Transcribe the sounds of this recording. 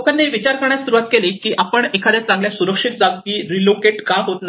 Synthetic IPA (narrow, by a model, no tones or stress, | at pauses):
kənːeʋit͡ɕaɾkəɾɳjasuɾuʋat̪̚kelekiːʔapəɳekʰad̪jat͡sãŋɡljasuɾəkʂit̪̚d͡zaɡkiːɾilokeʈkaɦot̪na